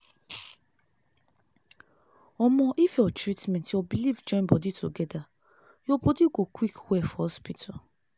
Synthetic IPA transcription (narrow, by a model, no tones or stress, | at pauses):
ɔmɔ̃ʔifɔtɹitmɛ̃ntiɔbilivd͡ʒɔ̃nbɔditʰo̰ɡɛda | jobodiɡokwikwɛfhɔspitʰa